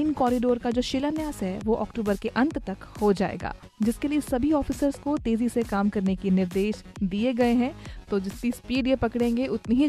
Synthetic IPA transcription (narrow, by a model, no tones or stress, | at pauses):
iːnkɔːɾɪɖoːɾkad͡ʒoːʃɪlanjaːsɦɛʋoʔɔːkʈuːbəɾkeʔɐ̃nt̪t̪ɐkhod͡ʒa̰ːḛːɡa̰ː | d͡ʒɪskeliesɐbʱiɔːfiːsəɾzkot̪eːzisekaːmkɐɾnekenɪɾd̪eːʃ | d̪ieɡɐeɦɛ̃t̪oːd͡ʒɪst̪ispiːɖijepɐkɽẽːŋɡeʔʊt̪neɦi